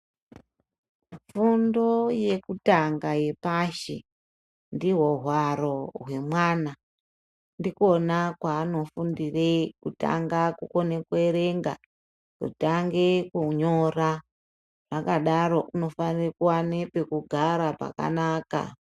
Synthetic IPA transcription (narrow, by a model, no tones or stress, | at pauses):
fundo̞je̞kutaŋɡaje̞paʃe | ndiɦo̞ɦwaɾo̞ɦwe̞mwaːna | ndiko̞nakwaːno̞fundirekuta̰ŋɡakuko̞nekue̞ɾeŋɡa̰ | kṵtaŋɡe̞kuɲo̞ra | rakaɗaɾo̞ʔuno̞fanirekuwanepe̞kuɡʱaɾapa̰ka̰naːka̰